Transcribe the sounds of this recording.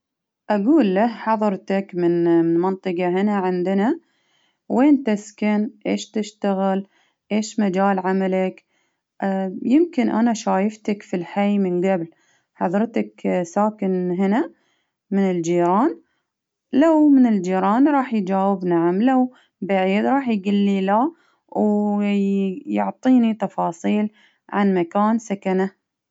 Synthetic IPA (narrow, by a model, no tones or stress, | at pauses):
ʔaɡuːlːahħɑðˤɑɾˤt̪akmɪnmɑnt̪ˤɨqɑɦɪnaʕɪnd̪ɪna | weːnt̪ɪskanʔḛːʃt̪ɪʃt̪aɣɪl | ʔeːʃmad͡ʒaːlʕamalak | ʔjɪmkɪnʔa̰naʃaːjɪft̪akfilħajmɪnɡabl | ħɑðˤɾˤt̪aksaːkɪnɦɪna | mɪnɪld͡ʒiːɾɑːn | lawmɪnɪld͡ʒiːɾˤɑːnɾˤɑːħjd͡ʒaːwɪbnaʕamlaw | baʕiːd̪ɾˤɑːħjɡɪlːila | w | jʊʕt̪ˤiːnit̪ɑfɑːsˤiːl | ʕa̰nmakaːnsakana